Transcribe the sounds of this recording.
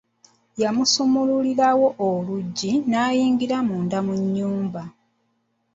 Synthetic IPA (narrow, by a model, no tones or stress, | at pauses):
jamusomululiɾawo̞ʔoluɟːinaːjiːŋɡiɾamuːndamuɲːuːmba